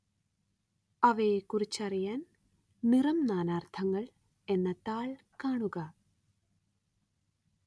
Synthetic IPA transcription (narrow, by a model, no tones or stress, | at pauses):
ɐʋeːkurit͡ɕːɐɾijaːn | niɾɐmnaːnaːrt̪ʰɐŋːɐɭ | enːɐt̪aːɭ | kaːɳuɣɐ